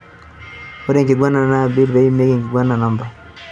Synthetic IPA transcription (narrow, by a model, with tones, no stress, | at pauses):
wo˦ɾe˦ŋki˨ɡʷa˦nːa˨na˦bi˦ɾbe˨i˦me˦ɡi˨ŋki˨ɡʷa˦nːa˨na˨mba˨